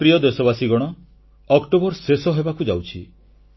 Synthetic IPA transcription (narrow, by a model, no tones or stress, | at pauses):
pɾijɔd̪esɔbasiɡɔɽ̃ɔ | ɔkʈobɔɾsesɔɦebakud͡ʒawt͡ʃʰi